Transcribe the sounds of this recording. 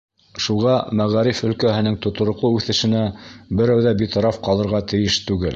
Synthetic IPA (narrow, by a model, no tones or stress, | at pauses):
ʃuʁɑmæʁæɾifɵ̆lkæhɘ̆nɘŋt̪ŏt̪ŏɾŏquʉθɘ̆ʃɘ̆næbɘ̆ɾæwðæbit̪ŏɾɑfqɑlˠɤ̆ɾʁɑt̪ɘ̆jɘʃt̪ʉɡɘl